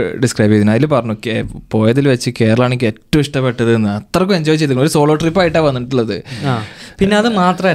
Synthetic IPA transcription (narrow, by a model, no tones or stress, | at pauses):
ɖiskrɐjbiɐðinɐjilumpɐrɐɲːokːepo̞ːjɐðilʋɐt͡ɕːɨke̞ːɾɐɭaːɳeikːetːɐmiʂʈɐpːe̞ʈːɐðɨenːɨɐt̪ːrɐkːuɐɲd͡ʑoːjit͡ɕːejt̪ukːɳːmoɾuso̞ːɭoːʈripːaːjiʈːaʋɐnːiʈːuɭːɐðɨ̰aːpinːeɐðɨmaːt̪rɐ